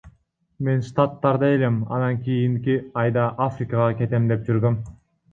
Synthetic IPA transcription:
me̞nʃt̪at̪ːɑɾd̪ɑe̞lemɑ̰nɑŋkʲijiŋkiɑjd̪ɑʔafrʲikɑʁɑkʲe̞t̪e̞md̪e̞p̚d͡ʒyɾɡøm

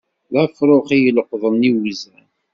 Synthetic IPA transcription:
ðæfɾˤoχijəlqðˤənːiwizæn

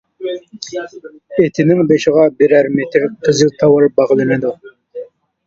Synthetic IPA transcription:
et̪ʰɪnɪŋbeʃɪʁɑbɪɾæɾmet̪ʰɪɾqʰəzɨlt̪ʰɑwɑɾ̚bɑʁlˠɨnɨd̪u

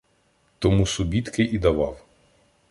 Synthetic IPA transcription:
t̪ɔmusʊbʲit̪kɪʔid̪ɐʋɑw

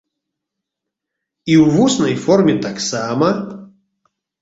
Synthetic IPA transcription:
iwvusnɐjfɔrmʲɛt̪aksamɐ

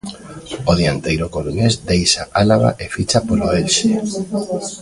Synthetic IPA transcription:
oðiant̪ejɾokoluɲesd̪ejʃaʔalaβa̰ʔefit͡ʃapoɾoelʃe

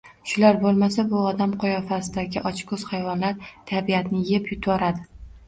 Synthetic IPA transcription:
ʃʊlaɾbolˠmasabʊɒd̪amqʰʊjɒfasɪd̪aɡʲɪʔɒt͡ʃkʰɵz̥hajvɒnlaɾt̪ʰabijat̪nɪjepʰjʊt̪ʰwɒɾad̪ɪ

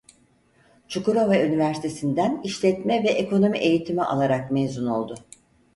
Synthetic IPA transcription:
t͡ʃʰukuɾovaynivæɾsi̥t̪ʰe̞sind̪æniʃlʲɛt̪mɛvɛʔeko̞no̞miʔe̞jit̪ʰimiʔa̰lˠaɾakmeːzuno̞lˠd̪ʊ

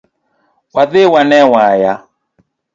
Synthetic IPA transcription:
waðɪwanɛwaja

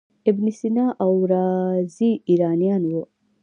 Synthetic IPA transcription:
ebnisinaʔawɾaːziiɾaːnijanwo

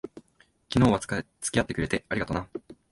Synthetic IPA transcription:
kʲino̞ːβat͡sɨ̥kʲijat̪ːe̞kɯɾe̞t̪e̞aɾiɡat̪ona

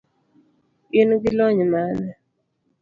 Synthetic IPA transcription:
ɪnɡɪlɔɲmanɛ

